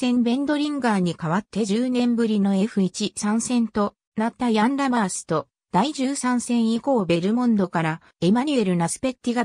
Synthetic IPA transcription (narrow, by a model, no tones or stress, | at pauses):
sẽ̞mbẽ̞nd̪o̞ɾʲĩŋɡaːɲ̟ikaβat̪ːe̞ʑɨːnẽ̞mbɯ̟ɾʲino̞e̞ɸɯ̟it͡ɕisãɰ̃sẽ̞nt̪o̞ | nat̪ːajãnɾamaːsɨ̥t̪o̞ | d̪̥aiʑɨːsãɰ̃sẽ̞ɰ̃iko̞ːbe̞ɾɯ̟mõ̞nd̪o̞kaɾa | e̞maɲ̟ɯe̞ɾɯ̟nasɨ̥pe̞t̪ʲːiɡa